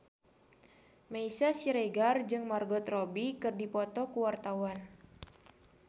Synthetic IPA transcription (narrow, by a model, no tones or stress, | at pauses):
maisasiɾeɡard͡ʒɨŋmarɡɔt̪rɔbikɨrdipɔt̪ɔkuwart̪awan